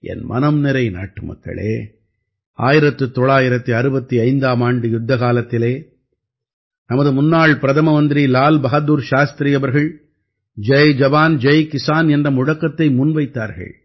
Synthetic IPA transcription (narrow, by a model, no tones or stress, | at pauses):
ʔɛ̰nmʔɐ̰nɐmnɪɾɐɪna̰ːʈːɯmɐ̰kːɐ̰ɭḛː | a̰ːjɪɾɐt̪ːɯt̪ːɔɭaːjɪɾɐt̪ːɯɐɾɯbɐt̪ːiɐɪnd̪aːmaːɳɖɯjʊd̪ːɐɣaːlɐt̪ːɪleː | nɐmɐðɯmʊnːaːɭpɪɾɐðɐmɐʋɐnd̪ɪɾilaːlbɐɣɐd̪uːɾʃaːst̪ɾiɐʋɐɾɣɐɭ | d͡ʒɐjd͡ʒɐbaːnd͡ʒɐjkɪsaːnɛndrɐmʊɻɐkːɐt̪ːɐɪmʊnʋɐɪt̪ːaːɾɣɐ̰ɭ